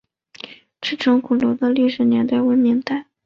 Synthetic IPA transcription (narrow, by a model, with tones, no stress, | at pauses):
ʈ͡ʂʰɻ̩˥˩ʈ͡ʂʰɤ˧˥ŋkʰu˨˩lɔ˧˥d̪ə˧li˥˩ʂɻ̩˨˩njɛ˧˥nt̪a˥˩ɪwe˧˥ɪmi˧˥ŋt̪a˥˩ɪ